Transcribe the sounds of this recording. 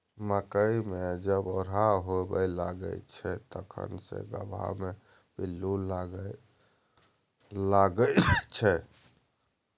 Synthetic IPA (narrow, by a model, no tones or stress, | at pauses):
məkəimed͡ʒəbɔɾaɦobəjlaɡə̰t͡ʃʰɛt̪əkʰə̰nsḛɡə̰bʱa̰me | bilːulaɡ | laɡət͡ʃʰɛ